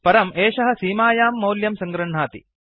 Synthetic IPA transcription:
pɐɾɐmeːʃɐɦɐ̆siːmaːjaːmːɐwljɐmsɐŋɡɾɐɳ̤aːt̪ḭ

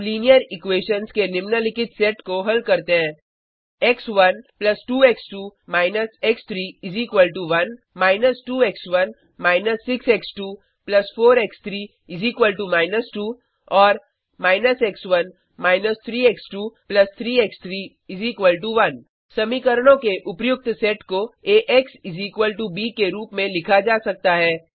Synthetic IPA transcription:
liːnijəɾɪkʋeːʃənskelɪmnəlɪkɪʈseʈkoɦɐlkɐɾt̪eɦɛ̃ː | eksʋɐnplɐsʈuːeksʈuːmaːɪnəsekst̪ʰɾiːɪziːkʋəlʈuʋɐn | maːɪnəsʈuːeksʋɐn | maːɪnəsːɪkseksʈuː | plɐsfʰoːɾekst̪ʰɾiː | ɪziːkʋəlʈumaːɪnəsʈuː | ɔːɾ | maːɪnəseksʋɐn | maːɪnəst̪ʰɾiːeksʈuːplɐst̪ʰɾiːekst̪ʰɾiː | ɪziːkʋəlʈuʋɐn | sɐmikəɾɽ̃õkeʔʊpjʊk̚t̪sɛːʈkoeːʔeksɪziːkʋəlʈubiːkeɾuːpmẽlɪkʰad͡ʒaːsɐk̚t̪aɦɛː

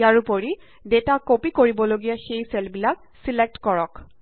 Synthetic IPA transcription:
aɹupoɹi | detakopikoɹibɔloɡijaxejsɛlbilak̚ | silek̚tkɔɹɔk

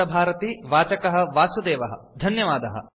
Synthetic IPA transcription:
ɐbʱaːɾɐt̪iʋaːt͡ʃɐkɐɦɐ̆ʋaːsud̪eːʋɐɦɐ̆d̪ʱɐnjɐʋaːd̪ɐɦɐ̰̆

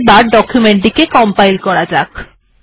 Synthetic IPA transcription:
baɾɖɔkʰjumeɳʈikekɔmpajlkɔɾad͡ʑak

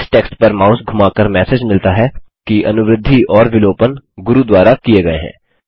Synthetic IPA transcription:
ʈeːksʈpɐɾmaːʊsɡʱʊmaːkəɾmɛːsed͡ʒmɪlt̪aɦɛkiʔɐ̰nʊʋɾɪd̪ʱːiɔːɾʋɪloːpənɡʊɾud̪waːɾakieɡɐḛɦɛ̰̃ː

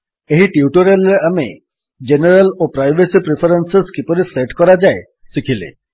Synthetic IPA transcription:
eɦiʈiuʈɔɾelːeame | d͡ʒeneɾalopɾajbesipɾipʰɔɾenseskipɔɾiseʈkɔɾad͡ʒae | sikʰilḛ

